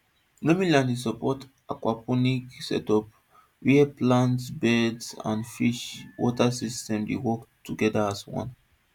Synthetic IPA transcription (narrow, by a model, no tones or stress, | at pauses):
nɔmĩlãndis̬ɔpɔt | akwapɔniksɛ̰tɔp̚ | wiɛplãntsbɛdsã̰nfiʃwɔtasistɛ̃mdḛwɔktuɡɛdaaswɔ̰̃n